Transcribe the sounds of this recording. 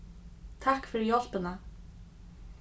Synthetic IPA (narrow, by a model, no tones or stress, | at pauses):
t̪ʰahkfɪɾɪɾjɔl̥pɪna